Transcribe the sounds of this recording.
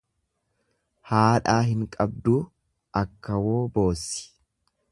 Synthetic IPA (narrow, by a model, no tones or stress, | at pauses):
haːᶑaːɦɪŋkʼɐbd̪uː | ʔɐkːɐwo̞ːbo̞ːsːɪ̥